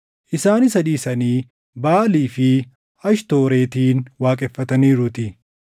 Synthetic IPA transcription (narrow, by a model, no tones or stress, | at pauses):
ʔɪsaːnɪsɐᶑ̪iːsɐniː | baːliːfɪ | ɐʃt̪o̞ːɾeːt̪iːnwaːkʼɛfːɐt̪ɐniːɾʊt̪ɪ